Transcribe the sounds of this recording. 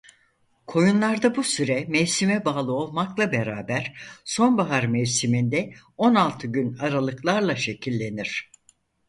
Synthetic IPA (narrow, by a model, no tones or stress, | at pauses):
kʰo̞junlˠaɾd̪abusyɾɛmɛjsimɛbaːlˠɯo̞lˠmaklˠabeɾaːbæɾ̥so̞nbaɦaɾmɛjsimind̪ɛ | o̞nalˠt̪ʰɯɟynaɾalˠɯklˠaɾlˠaʃe̞cʰilʲːe̞niɾ̥